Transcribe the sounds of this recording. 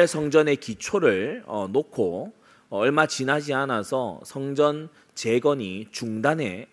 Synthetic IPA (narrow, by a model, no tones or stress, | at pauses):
sʰʌŋd͡ʑʌne̞kit͡ɕʰoɾɯɭʌ̰nokʰo | ʌɭmat͡ɕinad͡ʑianasʰʌsʰʌŋd͡ʑʌn | t͡ɕe̞ɡʌɲit͡ɕuŋdanɦe̞